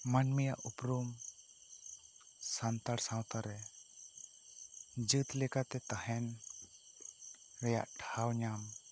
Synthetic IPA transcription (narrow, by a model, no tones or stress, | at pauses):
manmɛjaʔupɾum | sant̪aɾsãwt̪aɾɛ | d͡ʒɨt̪lɛkat̪ɛt̪ahɛn | ɾɛja̰ʔʈʰawɲam